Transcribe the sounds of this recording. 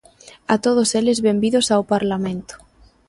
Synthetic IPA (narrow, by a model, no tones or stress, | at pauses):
at̪oð̞oselezβembiðosawpaɾlamẽnt̪ʊ̥